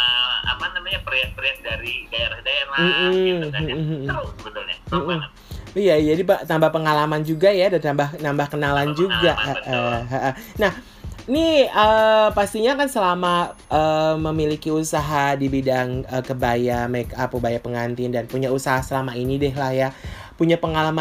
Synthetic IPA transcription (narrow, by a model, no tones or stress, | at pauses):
əa̰panamaɲapəɾiat̪̚pəɾiat̪̚daɾiɡaeɾahdaɛram̩m̩ | bət̪ʊlɲa̰m̩m̩ | ijad͡ʒadipat̪ambahpəŋalamand͡ʒuɡajadat̪ambahnambahkənaland͡ʒuɡaʔəɦaʔənah | niəpast̪iɲakansəlamaʔəməmilikiusaɦadibidaŋəkəbajamakapubajapəŋant̪ɪndanpuɲausaɦasəlamainidɛɦlahjapuɲapəŋalama